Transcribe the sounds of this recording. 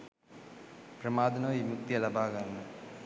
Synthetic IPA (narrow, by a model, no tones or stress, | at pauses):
pɾɐmaːd̪ɐnɐːimuk̚t̪ijɐlɐbaːɣɐnɐ